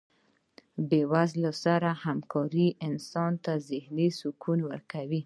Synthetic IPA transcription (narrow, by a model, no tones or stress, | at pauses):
bewazlasaɾahamkʰɑɾiʔɪnsɑnt̪azɪhnisʊkʰunwəɾkawi